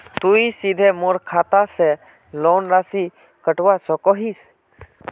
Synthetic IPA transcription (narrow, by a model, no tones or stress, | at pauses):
t̪uisid̪ʱemoːɾkʰat̪ase | lɔːnɾasi | kəʈwasɔkɔɦis